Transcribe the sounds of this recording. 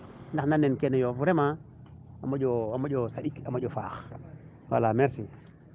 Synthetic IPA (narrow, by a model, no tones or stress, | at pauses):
naxnanenkenajofuɾema | amaɟoamaɟosaɗikamaɟofa̰ːx | wa̰lameɾsi